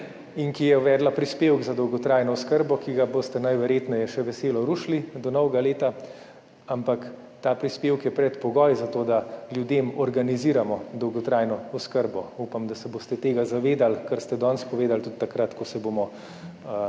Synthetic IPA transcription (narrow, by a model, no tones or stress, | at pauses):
iŋkijɛʋɛːd̪lapɾispeːwɡzad̪ɔwɡɔt̪ɾaːjnɔɔskəɾbɔkiɡaboːst̪ɛnajʋɛɾjeːt̪nɛjɛʃɛʋɛseːlɔɾuʃlid̪ɔnɔwɡaleːt̪a | ampak | t̪aːpɾispeːwkjɛpɾɛt̪pɔɡɔjzat̪oːd̪aljud̪emɔɾɡaniziːɾamɔd̪ɔwɡɔt̪ɾaːjnɔɔskəɾbɔupamd̪asɛboːst̪ɛt̪eːɡazaʋeːd̪alkəɾst̪ɛd̪ɔnspɔʋeːd̪alt̪ut̪t̪ːakɾat̪kɔsɛboːmɔ